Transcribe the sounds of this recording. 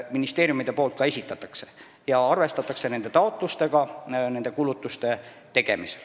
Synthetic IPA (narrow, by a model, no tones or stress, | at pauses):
minist̪e̞ːɾjumid̪̥e̞po̞ːlt̪̚kɑe̞sʲit̪ːˑɑt̪ːˑɑkse̞̥ | jɑɑrvest̪ɑt̪ːˑɑkse̞ne̞nd̪et̪ɑo̞t̪ˑlust̪e̞ɡɑne̞nd̪e̞kulut̪ːˑust̪e̞ | t̪e̞ɡ̥e̞̰mise̥l